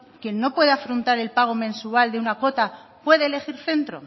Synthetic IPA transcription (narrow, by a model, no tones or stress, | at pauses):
kje̞nːo̞pwe̞ðeafɾont̪aɾe̞lpaɣ̞o̞mẽ̞nsuald̪eunako̞t̪apwe̞ðeːle̞xiɾθe̞nt̪ɾo̞̰